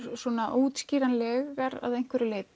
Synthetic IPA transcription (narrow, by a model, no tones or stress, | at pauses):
ɾsɔːnaʔuːt̪sciːɾanlɛːɣaɾa̰ðejn̥kvɛɾɪleːjp̚